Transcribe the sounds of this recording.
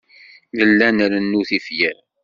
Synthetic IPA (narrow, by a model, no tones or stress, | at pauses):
ðəlːænɾənːuθifjæɾ